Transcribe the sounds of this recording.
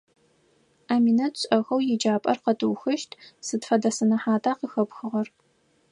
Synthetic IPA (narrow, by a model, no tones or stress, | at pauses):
aːminɐɕʷʼɐxɐwjɪd͡ʒaːpʼɐ̰rqɐtʰʼɨwxɨʃtʰsɨtfɐdɐsɨnɐħaːtʰʼaːqəxɐpxɨʁɐr